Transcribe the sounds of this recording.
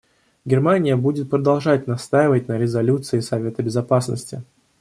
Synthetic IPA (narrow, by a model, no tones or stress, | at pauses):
ɡʲɪrmanʲɪjəbudʲɪt̪̚pɾəd̪ɐlˠʐatʲnɐst̪ajɪvət̚ʲnəɾʲɪzɐlʲut̪sɨɪsɐvʲe̞t̪əbʲɪzɐpasnə̰sʲtʲɪ̰